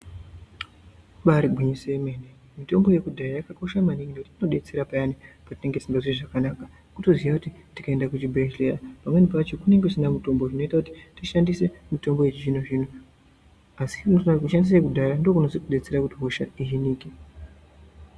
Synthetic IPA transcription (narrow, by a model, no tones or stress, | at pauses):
ɓaɾiɡʱiɲisemene | mito̞mbo̞je̞kudʱajajakako̞ʃamaniŋɡinekutitino̞ɗe̞t͡seɾapajanipatine̞ŋɡe̞zimbaʐiiʐakanaka | kuto̞ziʋakutitikae̞ndakut͡ʃibʱeʃlerapamwe̞nipat͡ʃo̞kune̞ŋɡekusinamito̞mboʐino̞itakuti̥tiʃandise̞mito̞mbo̞et͡ʃiinuʐinu | asi̥noakuʃandis̬ekudʱaɾando̞kunosikuɗe̞t͡se̞ɾakutiɦoʃaiɦiniːki